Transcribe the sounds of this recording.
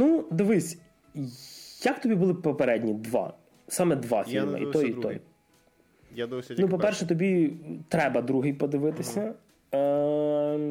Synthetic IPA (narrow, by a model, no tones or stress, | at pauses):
nud̪ɪʋɪsʲ | jɐkt̪ɔbʲibʊlˠɪpɔpeɾɛdʲnʲid̪ʋɑ̰ | sɑmɛd̪ʋɑ̰fʲilʲmɐ̰ḭt̪ɔjit̪ɔ̰j | nupɔpɛrʃɛt̪ɔbʲit̪ɾɛbɐd̪ɾuɦɪjpɔd̪ɪʋɪt̪ɪsʲɐ